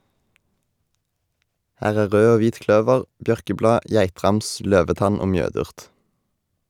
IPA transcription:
ˈhæːʁ ˈæː ˈʁøː ˈoː ˈʋiːt ˈklœʋəʁ ˈbjœʁkəˌblɑː ˈjæɪtʁɑms ˈløːʋəˌtɑn ˈoː ˈmjøːdʉʁt

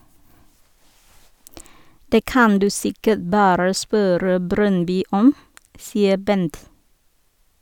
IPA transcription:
ˈdeː ˈkɑn ˈdʉː ˈsɪkəʈ ˈbɑːɾə ˈspøːɾə ˈbɾœnˌbyː ˈɔm ˈsiːə ˈbɛnt

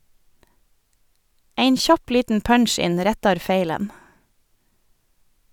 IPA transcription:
ˈæɪn ˈçɑp ˈliːtn̩ ˈpœnˌʃɪn ˈɾɛtɑɾ ˈfeɪlən

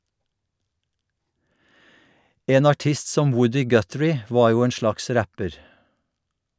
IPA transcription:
ˈʔeːn ɑˈʈɪst ˈsɔm ˈwʊdɪ ˈɡœtɹɪ ˈʋɑːɹ ˈjuː ˈeːn ˈʃlɑks ˈɾæpəɾ

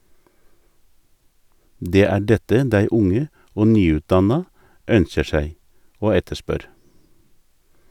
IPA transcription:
ˈdeː ˈæː ˈɖɛtə ˈdæɪ ˈʊŋə ˈoː ˈnyːˌʉːtˌdɑnɑ ˈœnçə ˈʃæɪ ˈoː ˈɛtəˌʃpœɾ

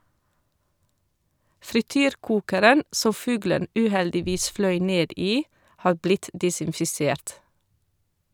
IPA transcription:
fɾɪˈtyːɾˌkuːkəɾən ˈsɔm ˈfʉːɡlən ˈʔʉːˌhɛldɪˌʋiːs ˈflœʏ ˈneːd ˈiː ˈhɑːɾ ˈblɪt ˌdɪsɪnfɪˈseːɾt

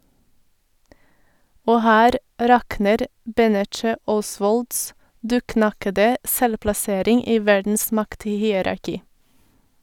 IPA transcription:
ˈoː ˈhæːɾ ˈɾɑknəɾ ˈbɛnɛt͡ʃə ˈɔˌsʋɔlds ˈdʉːˌknɑkədə ˈsɛlplɑˌseːɾɪŋ ˈiː ˈʋæɾdn̩s ˈmɑkthiːəɾɑɾˌkiː

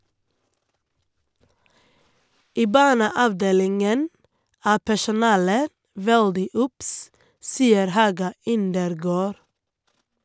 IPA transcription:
ˈiː ˈbɑːɳəɑʋˌdeːlɪŋən ˈæː pæʃʊˈnɑːlə ˈʋɛɽdɪ ˈʊps ˈsiːəɾ ˈhɑːɡɑ ˈɪndəɾˌɡoːɾ

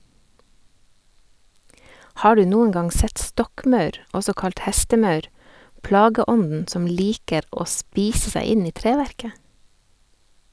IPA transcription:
ˈhɑː ˈɖʉː ˈnuːəŋ ˈɡɑŋ ˈsɛt ˈstɔkˌmɑʉɾ ˈɔsɔ ˈkɑlt ˈhɛstəˌmɑʉɾ ˈplɑːɡəˌɔndn̩ ˈsɔm ˈliːkəɾ ˈoː ˈspiːsə ˈsæɪ ˈɪn ˈiː ˈtɾeːʋæɾkə

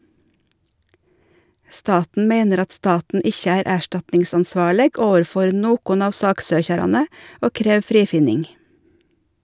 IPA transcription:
ˈstɑːtn̩ ˈmeɪnəɾ ˈɑt ˈstɑːtn̩ ˈɪçə ˈæːɾ ˈæːʃʈɑtnɪŋsɑnˌsʋɑːɭəɡ ˈoːʋəɾˌfɔɾ ˈnoːkʊn ˈɑːʋ ˈsɑːkˌsøːçɑɾɑnə ˈoː ˈkɾeːʋ ˈfɾiːfɪnɪŋ

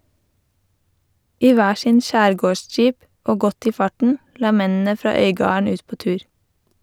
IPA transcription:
ˈiː ˈʋæː ˈʃɪn ˈʃæːɾˌɡoːˌʃd͡ʒiːp ˈoː ˈɡɔt ˈiː ˈfɑʈɳ̩ ˈlɑː ˈmɛnn̩ə ˈfɾɑː ˈœʏɡɑːɳ̩ ˈʉːt ˈpoː ˈtʉːɹ

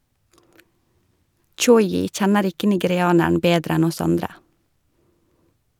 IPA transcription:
ˈt͡ʃɔʏɪ ˈc͡çɛnəɾ ˈɪkə nɪɡɛɾɪˈɑːnæɳ̩ ˈbeːdɾ ˈɛn ˈɔs ˈɑndɾə

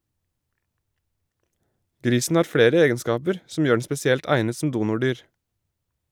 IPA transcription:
ˈɡɾiːsn̩ ˈhɑːɾ ˈfɽeːɾə ˈeːɡənˌskɑːpəɾ sm̩ ˈjøː ɳ̩ spɛsɪˈɛlt ˈæɪnə sm̩ ˈduːnʊˌɖyːɹ

